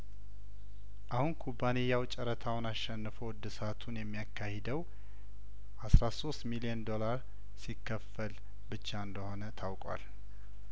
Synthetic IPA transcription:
ʔahunkʰubːanejawt͡ʃʼɛɾət̪ʰawnaʃɛnːɨfəwd̪ːɨsat̪ʰunjɛmːijakʰːahɛd̪əw | ʔasɾaso̞st̪miliɛnd̪o̞laɾ | sikːəfːəl | bɨt͡ʃːaɨnd̪əho̞nət̪ʰawkʼwa̰l

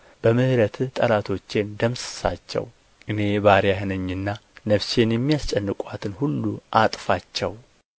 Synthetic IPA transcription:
b̥əmɨhɨɾət̪ʰt̪ʼəlat̪ʰo̞t͡ʃːend̪əmsɨ̥sa̰t͡ʃːɛ̰w | ʔɨne̞βaɾjaɦɨnəɲːɨnːanəfse̞njɛmːijast͡ʃʼɛnːɨkʷʼat̪ʰɨnhulːuʔat̪ʼfat͡ʃːɛ̰w

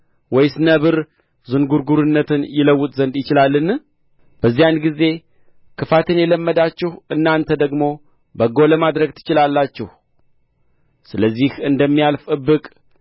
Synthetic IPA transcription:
wɔjsɨnəβɨɾ | zɨnɡuɾɡuɾɨnːət̪ʰɨnjɪləwːʊt̪ʼzənd̪jɪt͡ʃɪlalːɨn | b̥əzːijanɡize̞ | kʰɨfat̪ɨnjɛləmːəd̪at͡ʃːɛhʔɨnːant̪ʰəd̪əɡmo̞ | bəɡo̞ləmad̪ɾəɡt̪ʰɨ̥t͡ʃɪlalːat͡ʃːɛh | sɨləzːihɨnd̪əmːijalfʼəbːɨkʼ

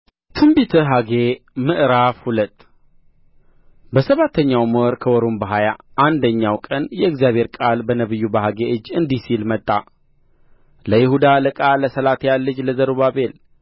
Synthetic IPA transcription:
t̪ʰɨmbit̪ʰɨɦaɡemɨʔɾafhulət̪ʼ | bəsəβat̪ʰːəɲːawməɾkʰəwɔɾombəɦajaʔand̪əɲːawkʼənjɛɪɡzijaβʱheɾkʼalbənəβɨjːubəɦaɡeʔɨd͡ʒːɨnd̪isilmət̪ʼːa | ləjɪhud̪aləkʼaləsəlat̪jalːɨd͡ʒləzəɾuβaβel

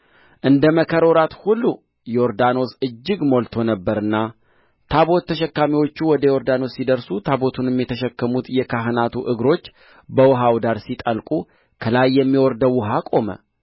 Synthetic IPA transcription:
ʔɨnd̪əməkʰəɾoɾat̪hulːu | jɛoɾd̪ano̞sɨd͡ʒːɨɡmo̞lt̪ʰo̞nəbːəɾɨnːa | t̪ʰaβo̞t̪ʰːəʃɛkːamiwo̞t͡ʃːuwɔd̪əjo̞ɾd̪ano̞sːid̪əɾsut̪ʰabo̞t̪ʰunmjɛt̪ʰəʃɛkːəmut̪jɛkʰaɦnat̪ʰuʔɨɡɾo̞t͡ʃː | bəwʊɦawd̪aɾsit̪ʼəlkʼu | kʰəlajːɛmːiwɔɾd̪əwʊɦakʼo̞mə̰

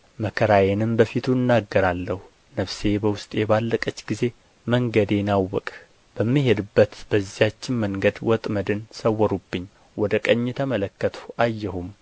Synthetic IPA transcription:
məkʰəɾajenɨmbəfit̪ʰuɨnːaɡːəɾalːəhu | nəfse̞bəwʊst̪ʼjɛbalːəkʼət͡ʃːɡize̞ | məŋɡəd̪enawːɔkʼ | b̥əmːiɦed̪ɨbːət̪b̥əzːihat͡ʃːɪnməŋɡəd̪wɔt̪ʼməd̪ɨnsəwːɔɾubːɨɲː | wɔd̪əkʼəɲːɛt̪ʰəmələkːət̪ʰu̥ʔajːɛhum

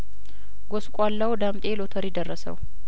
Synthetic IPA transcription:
ɡoskʷʼalːawd̪amt̪ʼe̞lot̪ʰəɾjɪd̪ərːəsə̰w

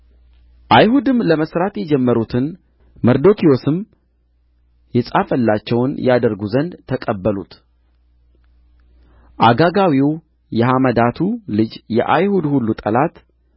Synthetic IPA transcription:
ʔajhud̪ɨmləməsɾat̪jɛd͡ʒɛmːəɾut̪ʰɨn | məɾd̪o̞kʰio̞sɨm | jɛsʼafəlːat͡ʃːɛwnjad̪əɾɡuzənd̪t̪ʰəkʼəbːəlṵt̪ | ʔaɡaɡawiw | jɛɦaməd̪at̪ʰulɨd͡ʒjɛ̰ʔa̰jhud̪hulːut̪ʼəlat̪

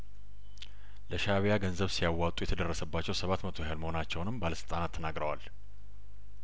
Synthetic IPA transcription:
ləʃaβijaɡənzəβsijawːawt̪ʼujɛt̪ʰəd̪ərːəsəbːat͡ʃːɛwsəβat̪mət̪ʰojajalməho̞nat͡ʃːɛwnɨmbaləsɨlt̪ʼanat̪ʰːənaɡɾəwa̰l

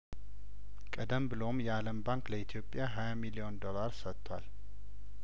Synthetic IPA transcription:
kʼəd̪əmbɨlo̞mjɛaləmbaŋkləit̪ʰijo̞pʼːjaɦajamilio̞nd̪o̞laɾsət̪ːwal

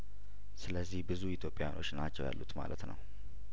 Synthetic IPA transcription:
sɨləzːihbɨzuit̪ʰjo̞pʼːjano̞t͡ʃːnat͡ʃːɛwja̰lːut̪malʔət̪nəw

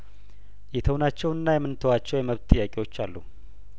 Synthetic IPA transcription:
jɛt̪ʰəwnat͡ʃːɛwɨnːajɛmːɨnt̪ʰəwat͡ʃːɛwjɛməβt̪t̪ʼːɨjːakʼiwo̞t͡ʃːalːu

